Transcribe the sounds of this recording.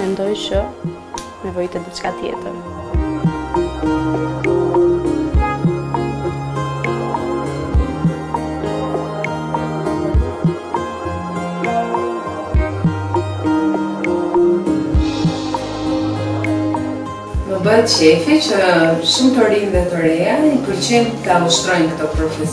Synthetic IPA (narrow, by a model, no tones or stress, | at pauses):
mɛnd̪ɔjt͡ʃə | nɛvɔjt̪ɛd̪it͡ʃkat̪jɛ̰t̪əɾ | məbəɦɛt̪ʃɛfit͡ɕəʃumt̪ɔɾinðɛt̪əɾɛaipəɾt͡ɕɛnt̪ːəaɔʃt̪ɾɔjnkət̪ɔpɾɔfɛs